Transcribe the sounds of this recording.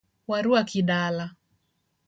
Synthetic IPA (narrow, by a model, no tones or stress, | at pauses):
waɾuakiɗala